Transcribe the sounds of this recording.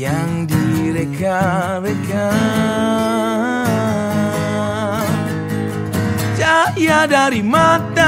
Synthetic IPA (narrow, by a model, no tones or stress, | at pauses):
jaŋdiɾeka | ɾeka | t͡ʃajadaɾimat̪a